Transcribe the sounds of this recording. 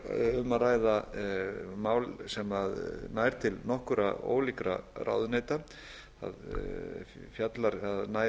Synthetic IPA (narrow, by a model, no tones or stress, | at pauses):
ʏmaraːjða | maːwlsɛmaðnajɾ̥t̪ʰɪlnɔhkʏɾa̰o̰ːwlikɾa̰rʔa̰ːwðʏneːjt̪a | a̰ð | fjat̪laɾaðna